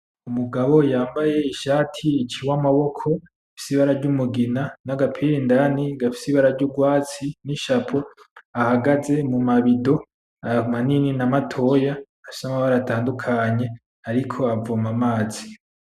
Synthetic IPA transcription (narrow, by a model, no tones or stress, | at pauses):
umuɡaβo̞jaːmbaje̞iʃaːtʰiːt͡ʃiwamaβo̞kʰo̞ | afi̥siβaɾaɾɟumuɡinanaɡapʰiɾindaniɡafi̥siβaɾaɾɟuɡwaːt͡siniʃapʰoahaɡaze̞mumaβido̞ | amanininamatʰo̞jaː | ʃi̥samaβaɾatʰaːndukʰaɲe̞ | aɾikʰo̞avomamaːz̥i